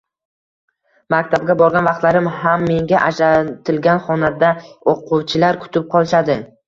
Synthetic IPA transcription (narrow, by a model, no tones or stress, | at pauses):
makʲt̪ʰab̚ɡʲabɒɾɡʲanvɑqt̪laɾɪmhamːe̞ŋɡʲaʔaʃat̪ʰɪlɡʲanχɒnad̪aoquwt͡ʃʰɪlaɾkʰʊ̥t̪ʰɪp̚qʰɒlˠɪʃad̪ɪ